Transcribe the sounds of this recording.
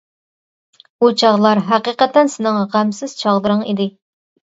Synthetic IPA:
but͡ʃʰɑʁlˠɑɾɦæqiqət̪ːɛnsɪnɨŋʁæmsɪz̥t͡ʃʰɑʁd̪ˠɨɾɨŋḭd̪ɪ

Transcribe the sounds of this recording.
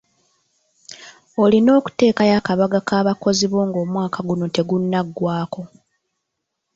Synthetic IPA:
olino̞ːku̥te̞ːkajakaβaɡakaːβako̞ziβo̞ːŋɡo̞ːmwaːkʰaɡuno̞te̞ɡunːaɡːwaːko̞

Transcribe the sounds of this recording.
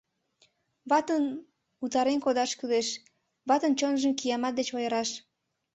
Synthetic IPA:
βɑt̪ən | ut̪ɑɾenkod̪ɑʃkyleʃ | βɑt̪ənt͡ɕonʒəmkijɑmɑt̪̚d̪et͡ɕojəɾɑʃ

